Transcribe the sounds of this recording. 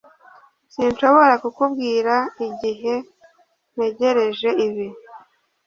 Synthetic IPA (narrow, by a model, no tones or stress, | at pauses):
sinʃo̞βo̞ɾakukubɡiːɾaiɟiɦe̞ | n̥e̞ɟe̞ɾe̞ʒe̞iβi